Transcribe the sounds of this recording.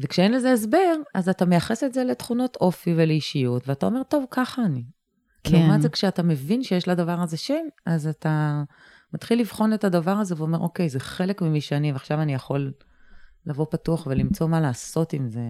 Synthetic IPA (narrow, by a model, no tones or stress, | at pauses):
vekʃeenle̞zeːs̬be̞ʁazatamejaχesetzele̞tχuno̞tʔo̞fiveleiʃijutveatao̞me̞ʁto̞vkaχaːni | omazekʃeatame̞vinʃejeʃladavaʁaze̞ʃemazata | mat̪χilːivχo̞netadavaʁazeveo̞meʁʔo̞ke̞jzeχe̞le̞kmimiʃeaniveaχʃavanijaχo̞lː | avo̞patuaχvelimt͡so̞malaːso̞timze̞